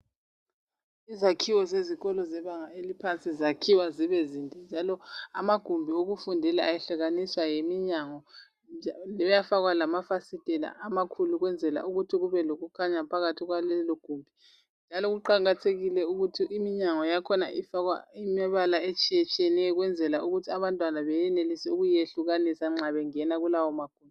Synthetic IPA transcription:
izakʰiwɔzeziɣɔlɔzɛβaŋaelipʰant͡sʼizakʰiwaziβɛzindʱɛnd͡ʒʱalɔamaɡ̥ʱumbʱioɣufundʱɛlaajɛɬɛɣaniswajemiɲaŋɔ | lɛβjafaɣwalamafasid̥ʱʼɛla̰ʔamakʰuluɣwɛnd͡zʱɛla̰ʔuɣutʰiɣuβɛloɣukʰaɲapʰaɣatʰiɣwalɛlɔɡ̥ʱuːmbʱi | nd͡ʒʱalɔɣuǃaɣatʰeɣilɛuɣutʰiʔːmiɲaŋɔjakʰɔnaʔifaɣwa̰imɛβalaet͡ʃʰʼiɛt͡ʃʰʼiɛnɛɣwɛnd͡zʱɛlaʔuɣutʰiaβantʼwanaβɛjɛnelisɛuɣujeɬuɣanisaŋ͡ǁaβɛŋɛnaɣulawɔmaɡ̥ʱuːmbi

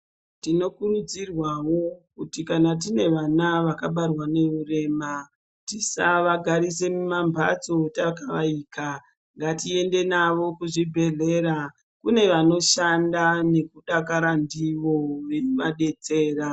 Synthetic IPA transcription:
tino̞kurud͡zirwawo̞kutikanat̬ine̞ʋanaʋakaɓarwane̞rure̞ːma | tisaʋaɡʱaɾise̞mumambʱa̰t͡so̞takaʋaika | ŋɡatie̞nde̞naʋo̞kuʐibʱe̞ɮe̞ɾa | kune̞ʋano̞ʃandane̞kuɗakaɾandiʋo̞ʋe̞umaɗe̞t͡se̞ːra

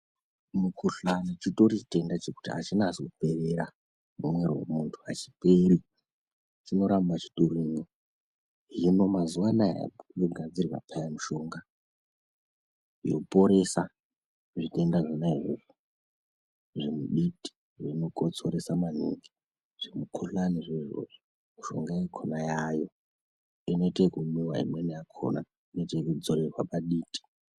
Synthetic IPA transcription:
mukuɬanit͡ʃito̞rite̞ndat͡ʃeku̥tia̰t͡ʃinaːsikupe̞reɾa | mumwerwo̰muntʰua̰t͡ʃi̥peri | t͡ʃino̞ɾambat͡ʃi̥turimi | ɦino̞mazuwanaja̰ɗoɡʱad͡zirwa̰pajamuʃo̞ːŋɡa | jokupo̞ɾe̞sa | ʐite̞ndaʐinaiʐo̰ʐo | ʐimuɗiti̥ | ʐino̞kot͡so̞ɾesamanḭŋɡi | ʐ̥imukʰuɬaniʐeʐo̰ʐo | miʃo̞̰ŋɡajekʰonajajo̞ | ino̞itekumuwaḭmwenejakʰo̰na | inetekud͡zoɾerwapaɗiːtʼi̥

